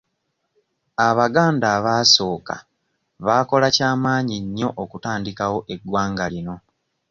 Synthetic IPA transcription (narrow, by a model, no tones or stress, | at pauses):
aβaɡaːndaːβaːso̞ːka̰ | βaːko̞lacaːmaːɲiɲːo̞ʔokutaːndikawo̞ʔe̞ɡwaːŋɡalino̞